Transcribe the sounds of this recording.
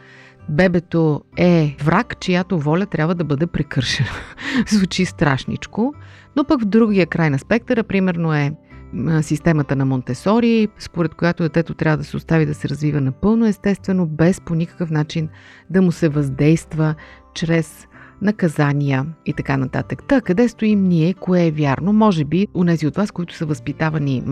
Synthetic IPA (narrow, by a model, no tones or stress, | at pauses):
bɛbɛt̪oɛvɾʔakt͡ʃijat̪ovɔlʲət̪ɾʲabvəd̪ɐbɤd̪ɛpɾɛkɤɾʃɛnɐzvut͡ʃist̪ɾa̰ʃnḭt͡ʃko | nopəkvd̪ɾuɡijəkɾajnɐspɛk̚t̪əɾəpɾimɛɾnoɛ | sist̪ɛmət̪ənɐmont̪ɛsɔɾiːspoɾɛt̪̚kojat̪od̪ɛt̪ɛt̪ot̪ɾʲavəd̪ɐsɛost̪avid̪ɐsɛɾɐzvivənɐpɤlˠnoɛst̪ɛst̪vɛnobɛsponikə̥kəfnat͡ʃin | d̪ɐmʊsɛvɐzd̪ɛjst̪və | t͡ʃɾɛsnɐkɐzanʲiəit̪ɐkanɐt̪a̰t̪əkt̪akɐd̪ɛst̪oimniɛkoɛvʲjaɾnomɔʒɛbionɛziot̪vaskoit̪ʊ̥səvɐspit̪avɐni